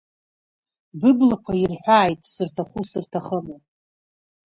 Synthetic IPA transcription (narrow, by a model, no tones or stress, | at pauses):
bɨblakʷʰairħʷᶣaːjtʼsɨrtʰaχʷusɨrtʰaχəma